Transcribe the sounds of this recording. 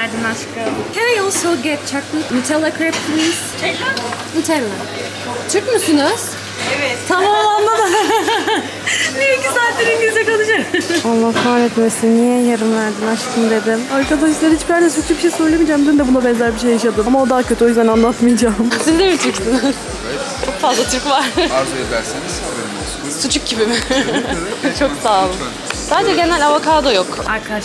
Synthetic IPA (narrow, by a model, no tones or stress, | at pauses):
æɾd̪inat͡ʃkɯmkʰɛjɔlˠsoɡɛt̪̚t͡ʃʰaklɯmit̪ʰɛlˠakʰɾɛp̚t̪ʰisʰ | mit̪ʰɛɾlˠa | t͡ʃʰɯɾkmusynɯz̥ | evɛt̪t̪ʰamaand̪ˠad̪a | nijɛicisaːt̪leɾinɟizɛkalˠɯʃaɾalˠːaht̪ʰanet̪mesinːijɛjaɾɯnvæɾd̪inaʃk̪ʰɯnd̪e̞d̪ɪmaɾkad̪aʃislˠaɾhit͡ʃbiæɾd̪ɛsut͡ʃʰukbiʃejsøɾlˠemid͡ʒamd̪imnd̪ɛbund̪abɛnzæɾbiʃejaʃad̪ɯmamaod̪aːcʰøt̪ʰo̞jyzd̪ænanlˠat̪mɯjd͡ʒaːmsind̪emit̪ʰɯɾksɯn | ɛ | t͡ʃʰo̞kfazlˠat̪ʰɯɾkvaɾ̥aɾfajeblʲæɾsenizileɾim | sut͡ʃʰuk̚ɟibimɪ | t͡ʃʰo̞ksaːlˠɯm | saːd̪ed͡ʒɛɟenælʲavakʰaːd̪ajokaɾkʰad̪aʃ